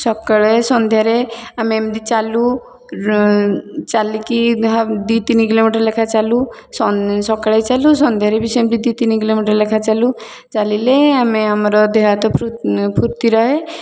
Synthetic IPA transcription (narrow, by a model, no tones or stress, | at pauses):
sɔkɭesɔnd̪ʱjaɾeamemd̪it͡ʃalu | t͡ʃalikiɦad̪it̪inikilomiʈəɾlekʰat͡ʃalu | sɔsɔkaɭat͡ʃalusɔnd̪ʱjaɾebisemd̪id̪it̪inikilomiʈəɾlekʰat͡ʃalu | t͡ʃalileameamɾɔd̪eɦat̪ɔpupʰuɾt̪iɾɔɦe